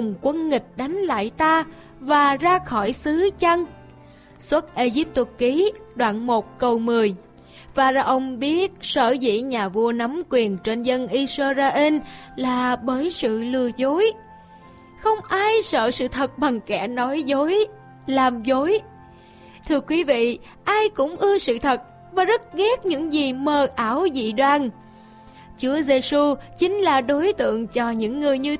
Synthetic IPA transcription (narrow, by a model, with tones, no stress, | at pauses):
ʊ˨˩ŋ͡mkwə˧nŋï˨˩k̟̚ɗa˨˦jŋ̟la̰ː˧˨jt̪aː˧ | vaː˨˩zaː˧xɔ˧˩jsɨ˨˦t͡ɕa˧ŋ | swə˦˥t̚ʔe˧zi˦˥p̚t̪u˧˩ki˨˦ɗwa̰ː˧˨nmo˨˩t̚kə˨˩wmɨ˨˩əj | faː˧zaː˧ʔə˧wŋ͡mɓi˦˥ət̚sə̰ː˧˩˨zḭ˧˥ɲaː˨˩vu˧əna˨˦mkwi˨˩ənt͡ɕe˧nzə˧nʔi˧səː˧zaː˧ʔi˧nlaː˨˩ɓəː˨˦jsɨ̰˧˨lɨ˨˩əzo˨˦j | xə˧wŋ͡mʔaː˧jsə̰ː˧˨sɨ̰˧˨t̪ʰə˨˩t̚ɓa˨˩ŋkɛ˧˩nɔ˨˦jzo˨˦j | laː˨˩mzo˨˦j | t̪ʰɨ˧əkwi˨˦vḭ˧˨ | ʔaː˧jkʊ̰˧˥ŋ͡mʔɨ˧sɨ̰˧˨t̪ʰə˨˩t̚ | vaː˨˩zə˦˥t̚ɣɛ˦˥k̚ɲɨ̰˧˥ŋzi˨˩məː˨˩ʔaː˧˩wzḭ˧˨ɗwaː˧n | t͡ɕɨ˨˦əze˧su˧t͡ɕï˨˦ŋ̟laː˨˩ɗo˨˦jt̪ɨ̰˧˨əŋt͡ɕɔ˧ɲɨ̰˧˥ŋːɨ˨˩əjɲɨ˧